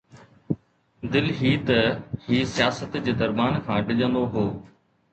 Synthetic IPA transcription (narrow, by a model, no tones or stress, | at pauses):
d̪ɪlɦiːt̪ɐɦiːsijaːsət̪d͡ʑeːd̪ɐɾmaːnkʰãːɖɪʄə̃nd̪oɦoː